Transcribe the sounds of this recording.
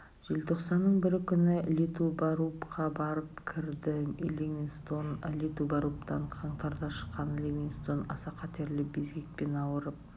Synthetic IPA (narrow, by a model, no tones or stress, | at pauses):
ʒ̥e̞lt̪ʰo̞qsɑnːəɴbɪɾɪkʲʰʏnɪlʲet̪ubɑɾupqʰɑbɑɾəpkʲʰɪɾd̪ɪḛleminst̪onlʲet̪ubɑɾupt̪ɑɴqʰɑɴt̪ɑɾd̪ɑʃə̥qːɑnlʲemʲinst̪onɑ̰sɑqʰɑt̪e̞ɾlɪbe̞zɡʲe̞k̚pe̞nɑwəɾəp̚